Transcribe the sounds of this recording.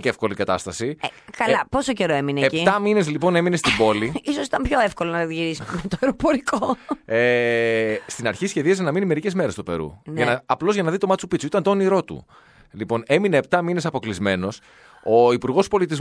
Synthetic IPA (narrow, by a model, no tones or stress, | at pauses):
cefko̞likɐt̪ɐst̪ɐsikɐlɐpo̞soce̞ɾoemineecit̪ɐmine̞zlipo̞ne̞mine̞st̪ibo̞liisosi̥t̪ɐmpçoefkolonɐðʝiɾisitmet̪oeɾopoɾikoe | st̪inɐɾçisçe̞ðiɐzenɐminime̞ɾice̞zme̞ɾe̞st̪ope̞̰ɾṵnʝɐnɐɐplo̞zʝɐnɐðit̪o̞mɐtt͡supit͡suit̪ɐnt̪oniɾo̞t̪ṵ | lipo̞ne̞mine̞ːp̚t̪ɐmine̞sɐpo̞klizme̞no̞s | o̞ipuɾɣo̞spo̞lit̪̬iz